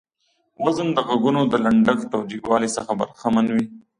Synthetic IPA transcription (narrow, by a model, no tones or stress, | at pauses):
wazənd̪əɣaɡunod̪əlaɳɖəɡt̪owd͡ʒikwɑːlisəxaba̰ɾxamanwi